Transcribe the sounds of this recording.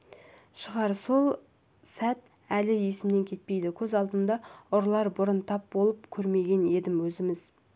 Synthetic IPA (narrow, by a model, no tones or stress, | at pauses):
ʃəʁɑɾso̞lˠ | sæt̪̚ | ælɪje̞sɪmne̞ŋkʲʰe̞t̪̚pe̞jd̪ɪkʲʰɵzɑlˠd̪ənd̪ɑʊɾlˠɑɾbʊɾənt̪ʰɑp̚bo̞lˠəpkʲʰɵɾme̞ɡʲe̞ne̞d̪ɪmwɵzɪmɪz